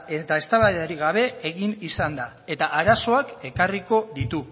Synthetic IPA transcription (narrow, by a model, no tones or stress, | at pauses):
et̪ae̞st̪aβaðeaɾiɣaβ̞e̞eɣinisand̪a | e̞t̪aʔaɾaso̞ake̞kariko̞ðit̪u